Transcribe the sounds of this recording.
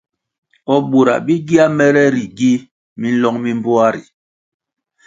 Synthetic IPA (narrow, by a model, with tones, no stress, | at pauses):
ɔ˨ɓu˨ɾa̰˨bi˦ɡi˦a˦mɛ˦ɾɛ˦ɾi˨ɡi˦ | mi˦n̩˦lɔ˦ŋmi˦m˦bo˦a˦ɾi˨